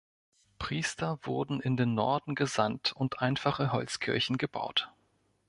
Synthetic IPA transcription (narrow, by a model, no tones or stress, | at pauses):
pʁ̥iːstɐvʊɐdn̩ɪndeːnːɔɐdn̩ɡəzantʰʊntʔaɪnfaχəɦɔlt͡skʰɪɐçn̩ɡəba̰ʊt